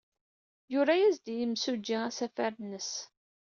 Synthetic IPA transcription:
jʊɾæjæzd̪ijəmsud͡ʒːiæsæfæɾnːəs

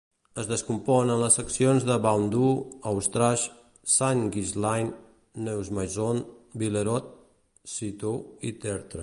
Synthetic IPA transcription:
əzðəskumpɔnənləsəksionzðəβawnd̪uəwst̪ɾaʃ | saŋɡizlajnː | ewzmajzonbileɾɔt̪̚ | sit̪oit̪ɛɾt̪ɾə

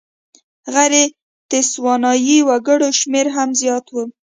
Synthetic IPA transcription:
ɣaɾe | t̪ɪswɑnɑjiwaɡəɽoʃmeɾɦamzjɑt̪wu

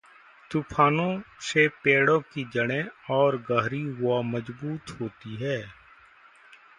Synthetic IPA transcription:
t̪uːpʰaːnõsepeːɽõkid͡ʒəɽ̃ẽɔːɾɡəɦɾiɦʊaməd͡ʒbuːt̪ɦoːt̪iɦɛː

